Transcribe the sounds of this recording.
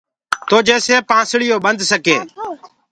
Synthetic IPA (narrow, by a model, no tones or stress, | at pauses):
t̪oːd͡ʒeːseːpãːsɽɪjoːɓənd̪ʱsəkeː